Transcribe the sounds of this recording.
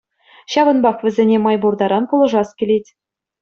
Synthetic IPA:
ɕɑβɤ̆nbɑχʋʲɘ̆zʲenʲemɑjburd̪ɑɾɑnpulˠɤ̆ʐɑskʲĕlʲetʲ

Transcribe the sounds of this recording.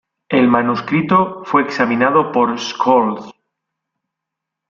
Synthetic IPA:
e̞lmanuskɾit̪ofwe̞ːksamĩnað̞o̞po̞ɾskʰolθ

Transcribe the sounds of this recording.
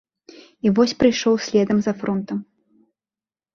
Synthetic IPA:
ivɔsʲpɾɨjʂɔwsʲlʲɛd̪ɐmzɐfɾɔnt̪ɐm

